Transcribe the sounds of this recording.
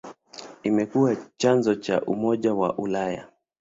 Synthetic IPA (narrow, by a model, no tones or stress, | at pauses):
imɛkuat͡ʃanzɔt͡ʃaʔumɔʄawa̰ʔulaja̰